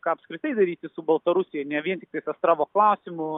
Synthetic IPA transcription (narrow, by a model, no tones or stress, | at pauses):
kɑːɐpskɾʲɪt̪ɐɪd̪ɐɾʲiːt̪ʲɪsʊbɐlˠt̪ɐɾʊsʲɪjɛɪnʲɛʋʲiɛnʲt̪ʲɪkt̪ɐɪsɐst̪ɾɑːʋoːklˠɐʊsʲɪmʊ